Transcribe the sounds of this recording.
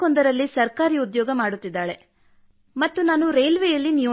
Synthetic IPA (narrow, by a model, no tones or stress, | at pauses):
ond̪ɐɾɐlːisɐɾkaːɾiːud̪jɔːɡɐmaːɽut̪ːid̪ːaːɭe̞ | mɐt̪ːunaːnuɾejlʋeːjɐlːinju